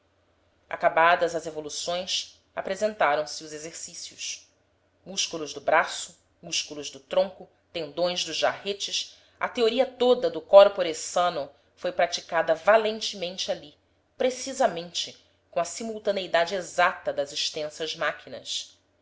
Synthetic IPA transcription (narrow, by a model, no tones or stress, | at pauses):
ʔa̰kabad̪ɐzɐzevolusõj̃s | apɾezẽnt̪aɾɐ̃w̃sɪʊzezeɾsisiʊʃ | muʃkulˠʊʒd̪ʊbɾasʊ̥ | muʃkulˠʊʒd̪ʊt̪ɾõŋkʊ | t̪ẽnd̪õj̃zd̪ʊzʒahet͡ʃɪʃ | ɐ̰t̪eoɾiɐt̪od̪ɐd̪ʊkɔɾpoɾesɐ̃nʊ | fojpɾat͡ʃi̥kad̪ɐvalẽnt͡ʃɪmẽnt͡ʃɪali | pɾesizɐmẽnt͡ʃɪ | kõɐsimuwt̪ɐneid̪ad͡ʒɪezat̪ɐd̪ɐziʃt̪ẽsɐzmakʰinɐ̰s